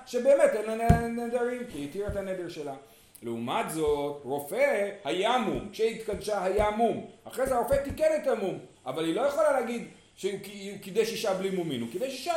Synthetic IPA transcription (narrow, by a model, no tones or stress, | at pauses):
ʃebe̞ːmetemaneened̪eʁimkiit̪iʁetaned̪elʃe̞la | leumat̪zo̞tʁo̞fehajamumkʃeit̪kad̪ʃaɦajamumhaχʁezeaʁo̞fet̪ikenetamumʔa̰valhilo̞jeχolaleːɡid̪ | ʃekiukid̪ejʃiʃablimumḭnukid̪ejʃiʃa